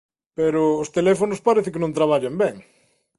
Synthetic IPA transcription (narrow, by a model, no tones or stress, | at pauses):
peɾʊːst̪elɛfonʊspaɾeθɪkenõnt̪ɾaβ̞aʎambɛŋ